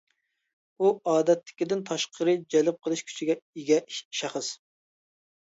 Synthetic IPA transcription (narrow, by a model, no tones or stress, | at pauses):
uɑːd̪ɛt̪ʰːɪ̥kʲid̪ɪnt̪ʰɑʃqʰəɾɨd͡ʒɛlɪp̚qʰəlˠɨʃkʲʰy̥t͡ʃʰiɡʲɛiɡʲɛʃæχəs